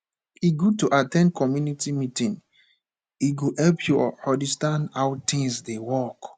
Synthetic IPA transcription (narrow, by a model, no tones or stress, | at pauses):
iɡutuʔatɛ̃nd̚kɔmjunitimitĩn | iɡohɛlpʰjɔhɔdistãndawtʰĩŋsdewɔk